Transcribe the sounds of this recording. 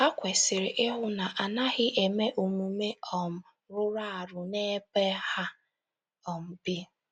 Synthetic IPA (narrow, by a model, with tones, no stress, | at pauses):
a˦kʷe˨sɪ˨ɾɪ˨ʔɪ˦ɦʊ˦na˨ʔa˨na˦ɣɪ˦ʔe˨me˦ʔo˨mu˨me˦ɔ˨m̩˨ | ɾʊ˦ɾa˦a˨ɾʊ˨ne˦pe˦ha˦ | ɔ˨m̩˨bɪ˦